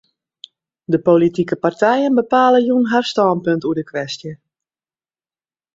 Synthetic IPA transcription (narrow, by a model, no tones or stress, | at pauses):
dəpolitikəpartɛjənbəpaːləjunɦarstɔnpøntuədəkʰʋɛstjə